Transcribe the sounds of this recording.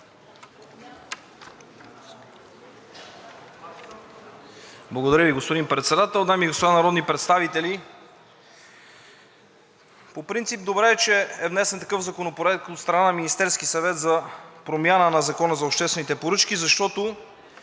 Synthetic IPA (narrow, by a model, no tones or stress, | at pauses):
blˠɐɡod̪ɐɾjəviɡospod̪inpɾɛt̪sɛd̪at̪ɛlˠd̪amiɡospod̪anɐɾɔd̪nipɾɛt̪st̪avit̪ɛli | popɾint̪sip̚d̪obɾɛːt͡ʃɛɛvnɛsɛnt̪ɐkɤfzɐkonopoɾɛt̪kot̪st̪ɾɐnanɐminist̪ɛɾskisɐvɛt̪zɐpɾomjanənɐzɐkɔnəzɐopʃt̪ɛst̪vɛnit̪ɛpoɾɤt͡ʃk̟izɐʃt̪ɔt̪o